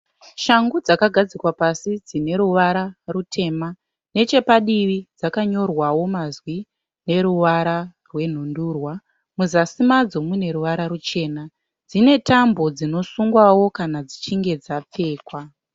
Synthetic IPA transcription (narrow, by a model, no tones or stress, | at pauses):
ʃaŋɡud͡zakaɡʱad͡zikwapasid͡zine̞ɾuʋaɾarutʰe̞ːma | ne̞t͡ʃe̞paɗiʋid͡zakaɲo̞rwawo̞mazwi | ne̞ɾuʋaɾa | rwe̞n̤unduːrwa | muzasimad͡zo̞mune̞ɾuʋaɾaɾut͡ʃe̞ːna | d͡zine̞tambo̞d͡zino̞suŋɡwawo̞kanad͡zit͡ʃiŋɡe̞d͡zap͡fe̞ːkwa